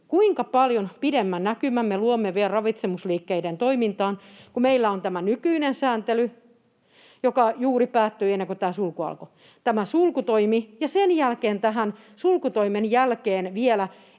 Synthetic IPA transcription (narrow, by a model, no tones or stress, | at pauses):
kuiŋkɑpɑljonpidemːænnækymæmmeluomːeʋiælrɑʋit̪semusliːkːeident̪oimint̪ɑːnkumeilːæont̪æmænykyinensæːnt̪ely | jokɑjuːripæːt̪ːøːenːeŋkot̪æːsulkuɑ̰lko | t̪æmæsulkut̪oimijɑsenjælkeːnt̪æɦæn | sulkut̪oimenjælkeːnʋielæ